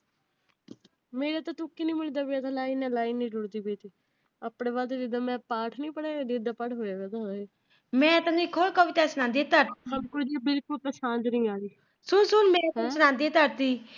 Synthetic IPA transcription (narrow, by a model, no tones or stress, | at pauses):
meːɾaːt̪ãːt̪ʊkːiːnĩːmɪliːd̪aːbɪaːt̪ãlaːiːnɛ̃ːlaːiːnːĩːd͡ʒʊɽd̪iːbeːt̪iː | apɽẽːβaːd̪eːd̪ɪd̪aːmɛ̃ːpaːʈʰnĩːpəɽeːd̪ɪd̪aːpəɽɦoːjaːʋɛːd̪aːɦoːaeː | mɛ̃ːt̪ãːĩːkʰoɽkəʋɪt̪ɛːsənãːnd̪eːt̪əɾsəbkʊld̪ibɪlkʊlpəsãːnd͡ʒ̪nĩːaːɾiː | sʊnsʊnmɛ̃ːtːt͡ʃənãːnd̪iːt̪əɾt̪iː